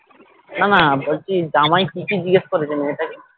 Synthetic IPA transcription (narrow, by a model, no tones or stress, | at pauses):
nanabolt͡ɕid͡ʒamajkikid͡ʑiɡeʃkoɾed͡ʑeneeʈaki